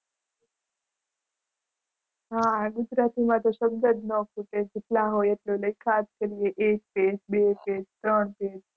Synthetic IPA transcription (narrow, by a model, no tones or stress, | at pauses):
ɦãɡʊd͡ʒɾat̪imãt̪oʃəb̚d̪əd͡ʒnɔkuked͡ʒeʈlaɦojeʈloləikʰaskəɾijeʔek̚ped͡ʒbeped͡ʒt̪ɾəɳped͡ʒ